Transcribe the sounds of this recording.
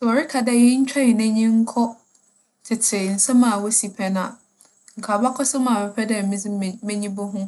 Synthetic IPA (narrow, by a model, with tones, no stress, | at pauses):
sɔ˨ɾɪ˦kʰa˨dɛ˦jɪ˦ɲ̩˦t͡ɕᶣa˦ɪ˨næ̃˦ɲĩ˦ŋ̩˦kʰɔ˦ | tʰɪ˨tʰɪ˨n̩˨sɛ̃˦mã˨wɔ˦si˨pʰɛ˨nã˨ | ŋ̩˨kʰaː˨ba˦kʰɔ˦sʊ˦mã˨bɛ˨pʰɛ˦dɛ˦˨mĩ˦d͡zɪ˦mɛ̃˦ɲĩ˦bʊ˦ɦʊ̃˦